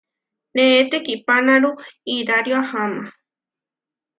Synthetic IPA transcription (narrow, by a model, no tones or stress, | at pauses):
neet̪ekipanãɾuiɾaɾjoahamã